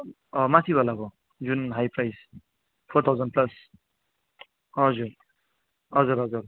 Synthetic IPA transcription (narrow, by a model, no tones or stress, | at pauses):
ʌmat̪ʰibʱalabʌ | d͡zunɦajprajs | pʰot̪ʰawzʌnplʌs | ʌd͡zuɾ | ʌd͡zuɾɦʌd͡zuɾ